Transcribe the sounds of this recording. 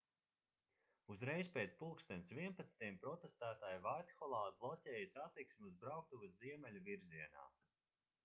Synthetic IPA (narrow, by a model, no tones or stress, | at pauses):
uzɾɛjspʲeːt̪spulˠkst̪ɛnt̪sviɛnpat̪snt̪ijɛmpɾɔt̪est̪æːt̪aːjvat̪xɔlˠaːd̪̚blˠɔcʲɛːjɐsat̪ːiksmʲuzbɾawk̚t̪uvɐsziɛmɛlʲuviɾziɛna̰ː